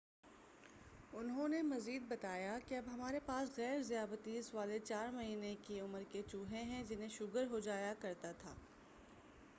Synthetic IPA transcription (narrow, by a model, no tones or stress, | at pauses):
ʊnɦõnemɐziːd̪̚bɐt̪aːjakeɐbɦɐmaːɾepaːsɣɛːɾzijaːbət̪iɪsʋaːlet͡ʃaːɾmɐɦiːnekiʊməɾket͡ʃuːɦẽɦɛ̃d͡ʒɪnɦẽʃʊɡəɾɦod͡ʒaːjakɐɾt̪at̪ʰa̰ː